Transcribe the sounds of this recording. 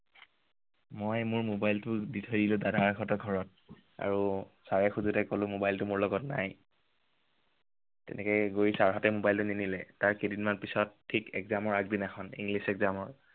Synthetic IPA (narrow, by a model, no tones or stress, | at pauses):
mojmʊɹmobajltʊditʰojdilʊdadaɹkʰɔtɔɡʱɔɹɔt̚ | a̰ɹusaɹɛxuzutɛkɔlʊ̃mobajltʊmʊɹlɔɡɔtnaj | tɛ̰nɛkɛɡoɹisaɹɦɔtɛmobajltʊninilɛtaɹkedinmanpisɔtʰːikɛkzamɔɹaɡ̚dinaxʰɔnḭŋɡlisɛkzamɔɹ